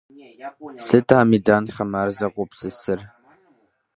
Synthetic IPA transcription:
sɨtʰaːmidaːnχɐmaːrzɐqʷʼʊpsɨsɨr

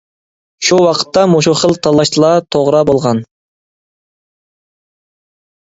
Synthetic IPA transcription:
ʃuwɑqʰə̥t̪ːɑmoʃ̬uχəlˠt̪ʰɑlˠːɑʃt̪ʰɨlˠɑt̪ʰoʁɾɑbolˠʁɑn

